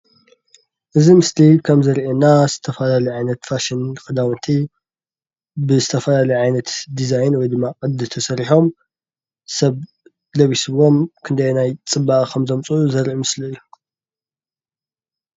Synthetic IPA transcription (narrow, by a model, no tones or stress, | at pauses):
ʔɨzimɨslikʰɐmzɨɾʔenaz̥ɨt̪ʰɐfɐlalijʕajnɐt̪faʃinkʼɨd̪awɨnt̪ʰi | bɨzɨt̪ʰɐfɐlalɐjʕajnɐt̪d̪izajnwɔjd̪ɨmːakʼɨd̪ɨt̪ʰɐsɐɾiħo̞m | sɐβ | lɐβisɨβo̞mkʰɨnd̪ɐjenajt͡sʼɨbaʔʼkʰɐmzɐmt͡sʼuuzɐɾʔimɨsliɨjːu